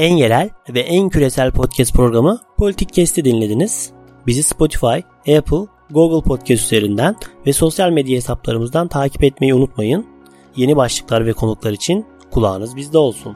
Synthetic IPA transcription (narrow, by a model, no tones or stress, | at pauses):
ænje̞ɾælʲvɛʔæncʰyɾe̞sælʲpʰo̞t̪̚cʰɛst̪̚pʰɾo̞ɡɾamɯpʰo̞lʲit̪ic̚cʰːɛst̪ʰid̪inlʲe̞d̪iniz̥ | bizispo̞t̪ʰi̥faj | ɛpʰɯlˠ | ɡuɡɯlˠpʰot̪̚cʰɛst̪yze̞ɾind̪ænvɛso̞sjalʲmɛd̪jaɦesap̚lˠa̰ɾɯmɯzd̪ant̪ʰaːcʰi̥pɛt̪me̞jiunut̪majɯn | je̞nibaʃlˠɯklˠaɾvɛkʰo̞nuklˠaɾit͡ʃʰin | kʰulˠa̰ːnɯzbizd̪ɛo̞lˠsun